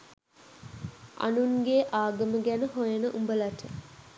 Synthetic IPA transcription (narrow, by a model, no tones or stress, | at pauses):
a̰nunɡeːʔaːɡɐməɡænəɦojənəʔumbəlaʈʰə